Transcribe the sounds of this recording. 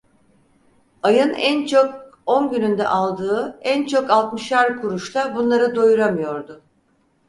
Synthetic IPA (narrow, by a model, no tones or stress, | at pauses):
ajɯnænt͡ʃʰo̞k̚onɟynynd̪ɛ̰ʔalˠd̪ɯːænt͡ʃʰo̞kalˠt̪mɯʃaɾkʰuɾuʃt̪abunlˠaɾɯd̪ojuɾamɯjo̞ɾd̪ʊ